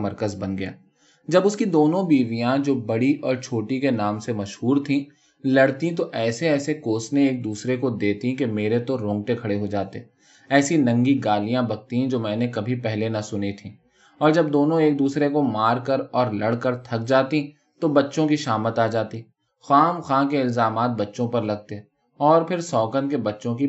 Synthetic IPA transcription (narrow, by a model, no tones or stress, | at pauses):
mɐɾkəzbɐnɡɐja̰ː | d͡ʒɐbʊskid̪oːnõbiːʋijãd͡ʒoːbɐɽiʔɔːɾt͡ʃʰoːʈikenaːmsemɐʃɦuːɾt̪ʰĩ | lɐɽt̪ĩt̪̬oʔɛːseɛːsekoːsnẽeːk̚d̪uːsɾekod̪eːt̪ĩkemeːɾet̪oɾõːŋɡʈekʰɐɽeɦod͡ʒaːt̪e | ɛːsinɐ̃ŋɡiɡaːlijãbɐɡ̚t̪iɦɛ̃d͡ʒoːmɛ̃ːnekɐbʱipɛɦlenɐsʊnit̪ʰĩː | ɔːɾd͡ʒɐbd̪oːnõeːk̚d̪uːsɾekomaːɾkəɾɔːɾlɐɽkəɾt̪ʰɐk̚d͡ʒaːt̪ĩ | t̪obɐtːʃõkiʃaːmət̪aːd͡ʒaːt̪i | xaːmxãːkeɪlzaːmaːt̪̚bɐtːʃõpɐɾlɐɡ̚t̪eɛ̃ | ɔːɾpʰɪɾsɔːkənkebɐtːʃõki